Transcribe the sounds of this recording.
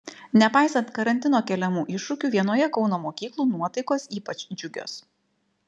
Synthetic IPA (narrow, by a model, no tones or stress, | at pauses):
nʲɛpɑˑɪsɐnt̪kɐɾɐnʲt̪ʲɪnoːkʲɛlʲɛmuːʔɪʃːʊkʲuːʋʲiɛnoːjɛkɒʊnoːmoːkʲiːklˠuːnuɔt̪ɐɪkoːsiːpɐt͡ʃd͡ʒʲʊɡʲo̰ːs